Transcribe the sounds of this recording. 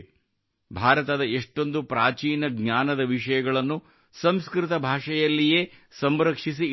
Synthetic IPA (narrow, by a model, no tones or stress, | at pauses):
bʱaːɾɐt̪ɐd̪ɐeʂʈo̞nd̪upɾaːt͡ʃiːnɐɡɲaːnɐd̪ɐʋiʂɐjɐɡɐɭɐnːu | sɐmskɾɪt̪ɐbʱaːʂɐjɐlːijeːsɐmɾɐkʂis̬i